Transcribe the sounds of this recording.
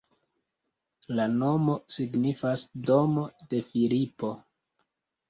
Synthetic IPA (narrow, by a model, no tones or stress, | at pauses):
lano̞mo̞siɡnifasdo̞mo̞de̞filipo̞